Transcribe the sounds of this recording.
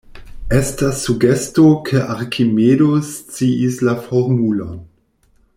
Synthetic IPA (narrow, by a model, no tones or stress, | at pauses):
estasːuɡestokʰeʔaɾkʰimedost͡siislafoɾmulon